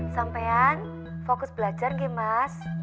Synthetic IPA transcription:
sampajan | fokʊsbəlad͡ʒarŋɡemas

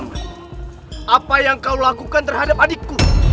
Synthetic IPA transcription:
ʔapajaŋkaulakukant̪ərɦadap̚adɪkːu

